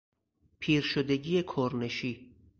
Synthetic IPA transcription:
pʰiːɾʃod̪e̞ɟiːjekʰoɾneʃiː

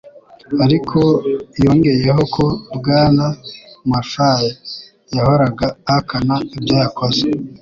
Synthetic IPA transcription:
aɾikʰo̞joːŋɡe̞je̞ɦo̞kʰo̞bɡaːnamafaje | jahoɾaɡaːkʰanaibjojakoze

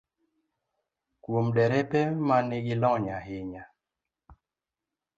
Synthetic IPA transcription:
kwomdɛɾɛpɛmanɪɡɪlɔɲahɪɲa

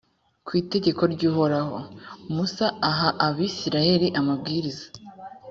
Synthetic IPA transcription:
kwiːte̞ɟe̞ko̞ɾɟuːɦo̞ɾaho̞musaːɦaʔaβisiɾaje̞ɾiʔamab̚ɡiːɾizḁ

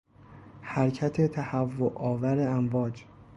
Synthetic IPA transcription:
hæɾcʰæt̪ʰet̪ʰæhævːoʔɒːvæɾeæmvɒːd͡ʒ

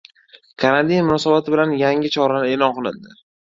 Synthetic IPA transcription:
kʰaɾad̪inmʊnɒsabat̪ʰɪbɪlanjaŋɪt͡ʃʰɒɾanɪe̞ːlɒnqɨlˠɪnd̪ɪ

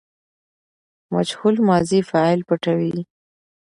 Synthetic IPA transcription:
ma̰d͡ʒhulmɑzifɑɪlpəʈawi

